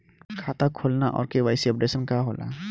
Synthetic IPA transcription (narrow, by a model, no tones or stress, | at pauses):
kʰaːt̪akʰoːlnaʔɔ̰ːɾkeʋaːɪsiɐp̚ɖeːsənkaɦoːna̰